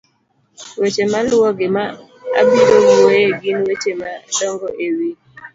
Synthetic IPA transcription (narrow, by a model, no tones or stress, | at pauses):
wet͡ʃemalʊɔɡɪma | a̰bidoɡiwejeɡinwet͡ʃemadɔŋɡɔʔewi